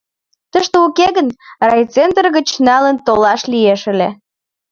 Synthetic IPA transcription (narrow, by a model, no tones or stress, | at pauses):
t̪əʃt̪eukeɣənrɑjt͡send̪ərɣət͡ɕnɑlənt̪olɑʃlieʃəle